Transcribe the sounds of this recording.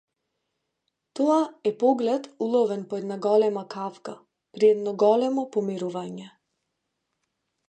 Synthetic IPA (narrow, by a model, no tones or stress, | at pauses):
t̪ɔaɛpɔɡlɛt̪ulˠɔvɛnpɔɛd̪naɡɔlɛmakʰafka | pɾiɛd̪nɔɡɔlɛmɔpɔmiɾuvaɲɛ